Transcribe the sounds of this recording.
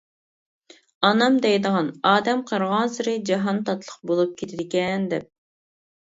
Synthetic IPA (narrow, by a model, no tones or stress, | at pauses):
ɑnɑmd̪ɛjd̪əʁɑnɑːd̪ɛmqʰəɾʁɑnsɨɾɨd͡ʒɑɦɑnt̪ɑt̪lˠəqbolˠup̚kʲʰet̪ʰɪd̪ɪkʲɛnd̪ɛp̚